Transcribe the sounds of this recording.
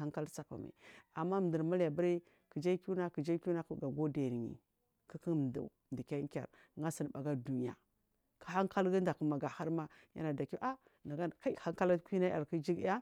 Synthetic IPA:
a˦ŋka˦lt͡sa˦pa̰˨ma̰˨a˨mːa˦m˨də˨ɾma˦lja˨ba˦ɾi˦ | ki˨d͡ʒa˦ku˦na˦ki˨d͡ʒa˦ku˦na˦kɡa˨ɡo˦de˨ɾi˨ɲḭ˨ | ki˦ki˦˨m˨dṵ˨m˨di˨ka˦ŋ˦kʲa̰˨ɾ | ŋɡa˦si˨n˨ba˨ɡa˦du˨ni˨a̰˨ | kḁ˨ha˦ŋka˦lɡa˦nda˨kma˨ɡa˨ha˦ɾma˦ | ja̰˦na˨da˨ki˦ʔa˦ | na˨ɡa˦˨ka˦ha˦ŋka˦la˦kʷi˦na˦a̰˨ɾki˦d͡ʒi˦ɡa˦

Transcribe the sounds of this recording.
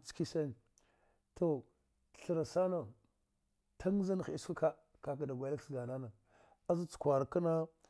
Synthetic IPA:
t͡ski˦sa˦n˨ | tʰo˨ | ɬə˨ɾa˨sa˦na˨ | tʰa˦ŋ˦za˦n˨xi˦ska˦ka˦ | ka˨ka˨da˨ɡʷa˨˦a˦kɡa˨na˦na˨ | a˦za˦t͡su̥˨kʷa˨ɾka˦na˦

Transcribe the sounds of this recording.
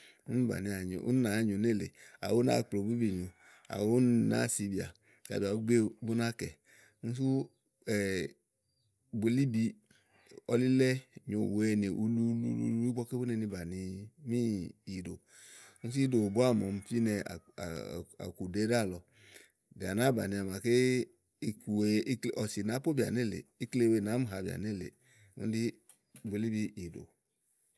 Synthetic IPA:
u˦n˦ba̰˨ni˨a˨ɲo̰˨ṵ˦n˦na˨˦ɲo˨ne˦˨lḛ˨a̰˨wo˦na̰˦˨k͡plo˨bi˦bi˨ɲo˨ | a̰˨wo˦na̰˦˨si˨˦bi˨a̰˨ | ka̰˨bi˨a˨˦ɡ͡be˦bu˦na˦kɛ˨˦ | n̩˦s̬u˦ | ɛ˨ | be˨˦li˦bi˨ | ɔ˨li˦lɛ˦˨ɲo˨wɛ˦ni˨ʔu˦lu˦lṵ˦lṵ˦lu˦i˦bɔ˦ke˦bu˦nɛ˨ni˧ba˨ni˧mĩ˦i˨do˨ | u˦s̬i˦i˦do˨bʊ˦a˦˨mɔ̰˨m˦fi˦nɛ˨a̰˨ | a̰˨ku˨de˦ɾa˦˨lɔ˨ | bi˨a̰˨na˦ba˨nĩ˨a˨m˨a˨ke˦ | ku˨e˨˦˨ɔ˨si˨nã˨˦po˦bi˨a̰˨ni˦˨lḛ˨i˦kle˦˨we˦˨nã˨˦mu˦˨ɦa˨bi˨a̰˨ni˦lḛ˨ | ŋṵ˦n˦di˦ | be˨li˦bi˦i˨do̰˨

